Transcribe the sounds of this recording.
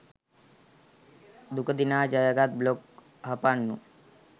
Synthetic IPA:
d̪ukʰəd̪inad͡ʒajəɡat̪̚blok̚ | ɦapanːu

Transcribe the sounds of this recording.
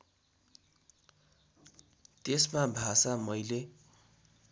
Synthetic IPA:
t̪esmabʱasamʌjle

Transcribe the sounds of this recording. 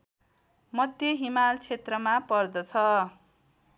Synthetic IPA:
mʌd̪ʱjʌɦimalt͡sʰet̪rʌmapʌrd̪ʌt͡sʰʌ

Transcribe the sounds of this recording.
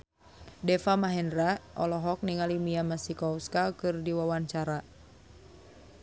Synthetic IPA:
dɛfamaɦɛndɾaʔɔlɔɦɔk̚niŋalimiamasikɔuskakɨrdiwawaɲt͡ʃaɾa

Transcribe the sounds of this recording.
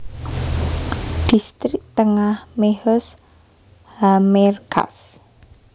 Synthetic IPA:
d̪̥i̤st̪ɾɪk̚t̪əŋahmehɔs | hamɛrkʰa̰s

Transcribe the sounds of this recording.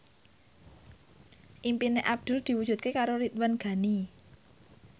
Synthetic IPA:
ʔimpineʔab̚d̪̥ṳld̪̥i̤wud̥d͡ʒ̥ʒ̥ṳt̪̚kekaɾoɾit̪wənɡ̥a̤ni

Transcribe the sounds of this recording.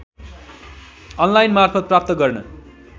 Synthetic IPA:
ʌnlajnmarpʰʌt̪̚prap̚t̪ʌɡʌrnʌ̰

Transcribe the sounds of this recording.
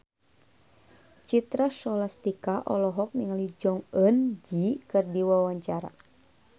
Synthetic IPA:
t͡ʃit̪ɾaʃɔlast̪ikaʔɔ̰lɔɦɔk̚niŋalid͡ʒɔŋənd͡ʒikɨrdiwawaɲt͡ʃaɾa̰

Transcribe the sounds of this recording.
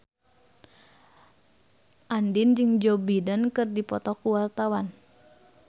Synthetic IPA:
ʔandind͡ʒɨŋd͡ʒɔbidənkɨrdipɔt̪ɔkuwart̪awan

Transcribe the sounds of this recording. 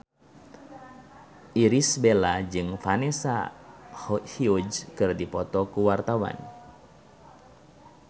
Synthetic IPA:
ʔiɾisbelad͡ʒɨŋfanɛsa̰ | hiud͡ʒkɨrdipɔt̪ɔkuwart̪awa̰n

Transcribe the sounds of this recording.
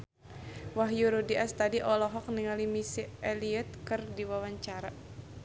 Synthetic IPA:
waɦjuɾudiʔast̪adiʔɔlɔɦɔk̚niŋalimisiɛliɛt̪̚kɨrdiwawaɲt͡ʃaɾa

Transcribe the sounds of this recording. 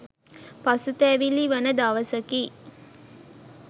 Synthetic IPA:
pasut̪æːʋiliʋanəd̪aʋəsəkiː

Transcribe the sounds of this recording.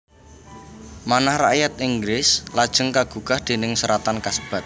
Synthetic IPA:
manahra̰jat̪iŋɡɾɪslad̥ʒ̥ə̤ŋkaɡ̥ṳkahd̪̥e̤nɪŋsəɾat̪ankasəb̥a̤t̪̚

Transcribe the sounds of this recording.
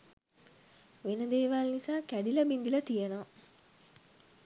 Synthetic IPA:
ʋenəd̪eːʋalnisaːkæɖiləbind̪ilət̪ijənoʋ

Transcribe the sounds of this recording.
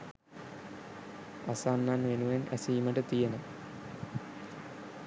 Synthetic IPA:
a̰saːnːaːnʋenuʋenʔɛ̰siːmɐʈət̪ijenɐ

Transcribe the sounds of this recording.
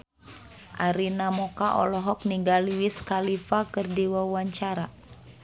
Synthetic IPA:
ʔaɾinamɔkaʔɔ̰lɔɦɔk̚niŋɡaliwiskalifakɨrdiwawaɲt͡ʃaɾa

